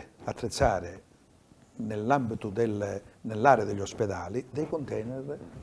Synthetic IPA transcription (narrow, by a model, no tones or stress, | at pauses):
at̪ːɾet̪sːaːɾɪ | nelːambit̪ʊd̪ɪlnelːaːɾeəd̪eʎːɔspɛd̪aːlid̪ejkʊnt̪ɛːnɪr